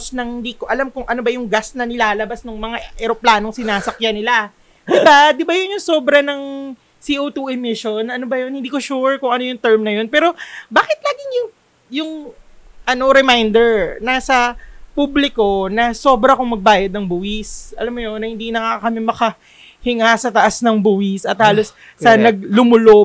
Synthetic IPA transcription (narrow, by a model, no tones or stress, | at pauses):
snɐŋhɪnd̪iːkoʔɐlamkʊŋʔɐnobɐjʊŋɡasnɐnɪlaːlɐbasnʊŋmɐŋaʔɛɾoplaːnoŋsɪnaːsɐkjanɪla | d̪ɪbad̪ɪbajʊnjʊŋso̞ːbɾɐnɐŋ | siːʔot̪uʔɛmɪʃo̞nɐnobɐjonhɪnd̪iːkoʃuːɹkʊŋɐno̞jʊŋt̪ɛɹmnɐjo̞npɛːɾo̞baːkɪt̪̚laːɡɪŋjʊŋ | jʊŋʔɐno̞ɾɛmajnd̪ɛɹnasɐpublɪko̞nɐso̞bɾɐkʊŋmɐɡ̚baːjɐd̪̚nɐŋbuwɪsʔɐlɐmːoɲonɐhɪnd̪inɐkaːkɐkɐmɛmɐkɐ | hɪŋasɐt̪ɐʔasnɐŋbuːwɪsɐt̪̚haːlo̞sː | ɐnɐɡ̚lʊmʊlo